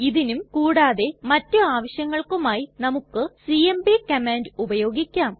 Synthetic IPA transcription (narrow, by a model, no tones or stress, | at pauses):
iðinumkuːɽaːðe̞mɐtːuaːʋɐɕjɐŋːɐɭkumaːjinɐmukːɨsiːembikɐmeːndubɐjo̞ːɡikʲːaːm